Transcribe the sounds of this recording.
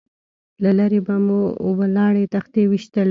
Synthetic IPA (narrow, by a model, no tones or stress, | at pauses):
lalaɾebamuo̰balɑɽet̪axt̪ewiʃt̪al